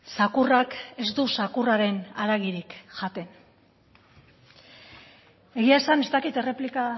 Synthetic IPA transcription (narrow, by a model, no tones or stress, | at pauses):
sakurake̞zd̪usakuraɾe̞naɾaɣiɾikʝat̪e̞n | e̞ɣiaesanest̪akit̪e̞re̞plika